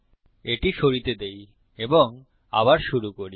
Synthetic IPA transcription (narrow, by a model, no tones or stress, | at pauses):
eʈiʃoɾit̪ed̪ej | eboŋ | a̰βaɾʃuɾukoɾi